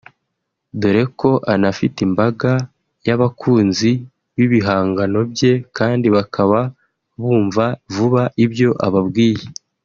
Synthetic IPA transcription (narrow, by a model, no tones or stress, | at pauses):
duɾe̞ko̞ʔanafitimbaɡa | jaβakʰuːnzi | βiβiɦaːŋɡano̞bje̞kaːndiβakʰaβa | βuːɱvavuβaʔibjo̞ʔa̰βabɡiːje